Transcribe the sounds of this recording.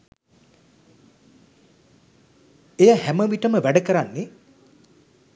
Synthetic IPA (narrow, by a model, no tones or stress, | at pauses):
ejəhæməʋiʈəməʋæɖəkəɾanːe